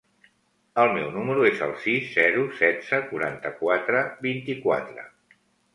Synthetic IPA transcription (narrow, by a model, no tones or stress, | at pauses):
əlˠmɛwnuməɾuezə̰lˠsizːɛɾusɛdd͡z̥əkuɾa̰nt̪əkwat̪ɾəbint̪ikwa̰t̪ɾə̰